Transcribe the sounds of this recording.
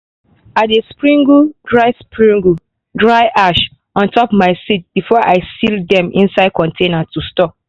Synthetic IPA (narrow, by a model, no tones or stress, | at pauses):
atdespɹĩŋɡudɹaɪspɹĩŋɡu | dɹaɪʔaʃ | ãntɔpmaɪsit̚bifɔʔaɪsildɛ̃mʔḭ̃nsaɪd̚kɔ̃ntʰenatustɔp̚